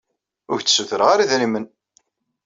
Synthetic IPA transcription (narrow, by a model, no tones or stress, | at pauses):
ʊɾt͡sːsuθəɾʁaɾiðɾimən